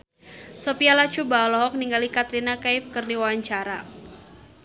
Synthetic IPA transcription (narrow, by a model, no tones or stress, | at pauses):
sɔpialat͡ʃubalɔɦɔk̚niŋɡalikat̪ɾinakajfkərniwaaɲt͡ʃaɾa